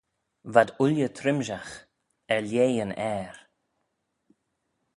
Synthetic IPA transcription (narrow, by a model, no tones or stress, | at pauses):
vad̪ʊljət̪ʰɾɪmʒax | ɛljeːənɛːɹ